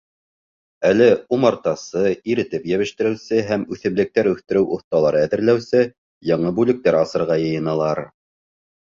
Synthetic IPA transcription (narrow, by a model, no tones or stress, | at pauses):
ælɘumɑɾt̪ɑsɤiɾɘ̆t̪ɘpjæβɘ̆ʃt̪ɘ̆ɾɘ̆wsɘɦæmʉθɘ̆mlɘ̆k̚t̪æɾʉθt̪ɘ̆ɾɘwʔŏθt̪ɑlˠɑɾɤæðɘ̆ɾlæwsɘ | jɑɴɤbʉlɘ̆k̚t̪æɾɑsɤ̆ɾʁɑjɤ̆jɤ̆nɑlˠɑɾ